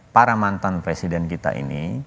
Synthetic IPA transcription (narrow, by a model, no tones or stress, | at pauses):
paɾamant̪anpɾesidɛnkit̪a̰ʔḭni